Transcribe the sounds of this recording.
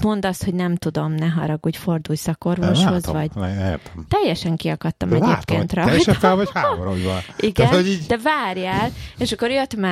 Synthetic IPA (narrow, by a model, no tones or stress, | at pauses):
mo̞nd̪ɒshoɟnɛmt̪ud̪o̞mnɛɦɒɾɒɡuːɟfo̞rd̪uːjsɒko̞rvoʃho̞zvɒɟ̥ja̰t̪mt̪ɛjːɛʃɛŋkiɒkɒt̪ːɒmɛɟeːpkeːnnt̪rɒjʃɛfɛlvɒchaːoɾojbɒnʔiɡɛnoid̪ɛvaːrjaːleːʃɒkːo̞ɾjøt̪mɛ